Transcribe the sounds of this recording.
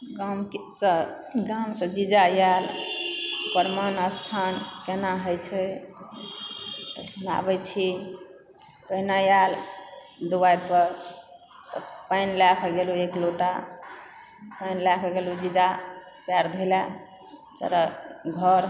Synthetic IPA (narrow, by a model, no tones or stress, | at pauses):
ɡamsə | ɡamsə̃d͡ʒid͡ʒajal | pəɾmanəst̪ʰankenaɦəjt͡ʃʰɛ | t̪ɔsuna̰bɛt͡ʃʰi | pənajal | d̪uwajpəɾ | t̪ɔpajnlakʰɔɡeluekloʈa | pajnlakʰɡelud͡ʒid͡ʒa | pjaɾd̪ʱejla | t͡ʃa̰ɾaɡʱəɾ